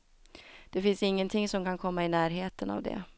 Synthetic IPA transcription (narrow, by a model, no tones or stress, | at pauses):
d̪̥ɛfɪnsɪŋːənt̪ʰɪŋsɔmkʰankʰɔmːaɪnæːɾɦeːt̪əna̰vd̪ɛ̰